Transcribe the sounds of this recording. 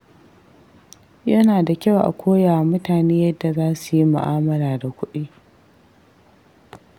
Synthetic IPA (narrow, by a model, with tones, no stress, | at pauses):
jɐ˦naː˨da˨kʲa˦wʔa̰˨kʷʰoː˦ja˨mʊ˦taː˨neː˦jɐ˦dːa˨zaː˦su˨ji˦mʊ̰˨ʔaː˦mɐ˦ɾaː˨da˨kʷʊ˦ɗiː˦